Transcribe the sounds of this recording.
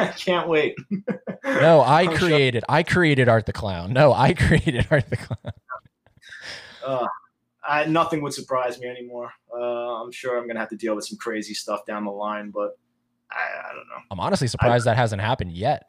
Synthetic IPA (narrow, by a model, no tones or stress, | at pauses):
akʰæ̃nʔweɪt̚ | noʊaɪkʰɹ̥ieɪɾɨɾaɪkʰɹ̥ieɪɾɨɾɑɹt̪̚ðɨkʰl̥ãʊ̃nːoʊʔa̰ɪkʰɹ̥ieɪɾɨɾɑɹt̪̚ðɨkʰl̥ãʊ̃nn | ʌ | aɪnʌθɪ̃ŋwəd̥sə˞pʰɹ̥aɪzmiɛnimɔɹʌãɪ̃mʃʊɹãɪ̃mɡʌnɨhæftɨdilˠwəð̥sʌ̃m̩kʰɹ̥eɪzistʌfd̥ãʊ̃nðəlãɪ̃nbʌt̚ | ʔa̰ɪa̰ɪdõ̰ʊ̃nːo̰ʊãɪ̃mɑ̰nəstˡlisə˞pʰɹ̥aɪzd̪ðɨt̚ɦhæzɨ̃nt̚ɦæpɨ̃ndjɛt̚